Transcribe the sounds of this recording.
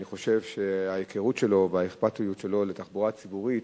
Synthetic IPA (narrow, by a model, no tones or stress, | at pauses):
niχo̞ʃe̞vʃeajekʰeʁutʃe̞lo̞veaeχpatujutʃe̞lo̞letaχbuʁat͡sibuʁit